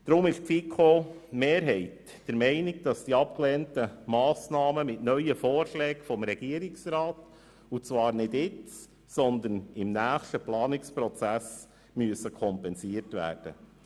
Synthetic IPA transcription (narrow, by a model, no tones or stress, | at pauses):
d̥̪ɾʊmɪʃpfikʰomeːɾɦɛɪt | d̥əɾmɛɪnɪk̚d̥ɑsd̥iɑp̚klɛːntəmɑːsnɑːməmɪtnœʏəfoːrʃlɛːkfɔmɾɛɡ̥iəɾɪksɾɑːt | ut͡svɑːɾnɪdɪt͡s | sɔnd̪ənɪmnæːxʃtəplɑːnɪkspɾɔt͡sæs | myəsəkʰɔmpɛnsiəɾtʋæ̰ːrd̥ə̰